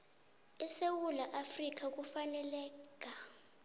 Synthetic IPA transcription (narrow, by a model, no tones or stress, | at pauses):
ɛsewulaʔafrik̬ak̬ʼufanɛlɛːk̬ʼa